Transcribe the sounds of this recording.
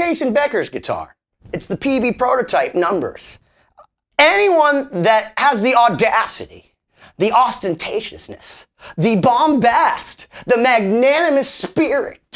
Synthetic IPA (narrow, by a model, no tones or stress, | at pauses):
eɪsɨ̃nbɛkə˞zɡɨtʰɑ̰ɹ | ɨtsðɨpʰivipʰɹ̥oʊɾɨtʰaɪp̚nʌ̃mbə̰˞z̥ | ɛniwʌ̃nðɨt̚həzðiɔdæsɨɾḭ | ðiʔɑstɨ̃ntʰeɪʃɨ̰snɨ̰s | ðɨbɑ̃mbæst̚ðɨmæɡ̚nænɨmɨspɪɹɪ̰t̚